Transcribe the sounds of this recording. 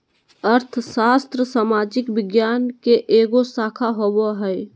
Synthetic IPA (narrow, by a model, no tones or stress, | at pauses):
əɾt̪ʰsaːst̪ɾəsaːmaːd͡ʒɪkʋɪɡjaːnkeʔeːɡosaːkʰaɦoboɦɛj